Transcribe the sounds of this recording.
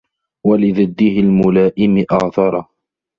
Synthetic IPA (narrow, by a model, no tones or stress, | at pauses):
walɪðɪd̪ːihɪlmʊlaːʔɪmɪʔɑːθɑɾˤɑ